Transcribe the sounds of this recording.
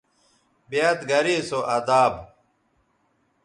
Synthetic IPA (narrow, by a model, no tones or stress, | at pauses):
bijat̪ɡɐɾiːsoʔɐd̪aːb